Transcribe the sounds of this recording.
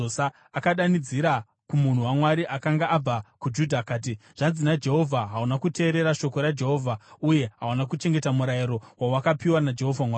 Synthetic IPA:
sa | akaɗanid͡ziɾa | kumun̤uwamwaɾiʔakaŋɡaʔab͡vakud͡ʒudʱakaːt̬iʐ̥anzinad͡ʒe̞ɦo̞vʱaɦaunakute̞ːɾe̞ɾaʃo̞ko̞ɾad͡ʒe̞ɦo̞ːvʱauje̞ɦaunakut͡ʃe̞ŋɡe̞tamuɾajiɾowawakapiwanad͡ʒe̞ɦo̞vʱamwaː

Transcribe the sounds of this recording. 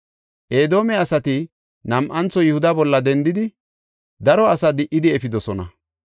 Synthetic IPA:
ʔe̞ːd̪o̞ːmɛɐsɐt̪ɪ | nɐmʔɐnt͡sːɔjɪhʊd̪ɐbɔlːɐd̪ɛnd̪ɪd̪ɪ | d̪ɐɾɔɐsɐd̪ɪʔːɪd̪ɪɛfɪd̪ɔsɔnɐ̰

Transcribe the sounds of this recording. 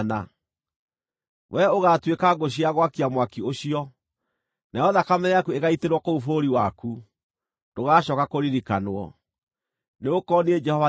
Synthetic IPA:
na̰ | wʔɛoɣatwekaɡoɕ̬iaɣwakiamwakioɕiɔ | najɔðakamɛɾɛakueɣaiteɾwɔkoufoɾiwaku | doɣaːɕɔkakoɾiɾikanwɔ̰ | neokɔnied͡ʒɛhɔva

